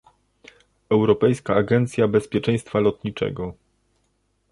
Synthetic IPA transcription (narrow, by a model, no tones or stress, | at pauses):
ɛwɾɔpɛjskaːɡɛnt̪sʲjabɛspʲjɛt͡ʂɛ̃j̃st̪falɔt̪ɲit͡ʂɛ̰ɡɔ